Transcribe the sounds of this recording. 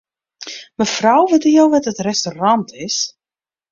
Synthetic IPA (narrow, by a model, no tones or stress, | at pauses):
məfrawʋɪtəjowʋɛtətrɛstorɑntʰɪs